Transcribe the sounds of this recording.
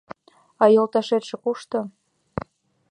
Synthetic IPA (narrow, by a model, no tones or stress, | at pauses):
ɑjolˠt̪ɑʃet̪ʃĕkuʃt̪ɤ̆